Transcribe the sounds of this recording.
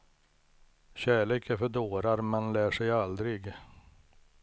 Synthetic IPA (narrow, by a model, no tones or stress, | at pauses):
ɕæːɭeːkæɾfœɖoːɾaɾmɛnlæːʂɛjald̪ɾɪɡ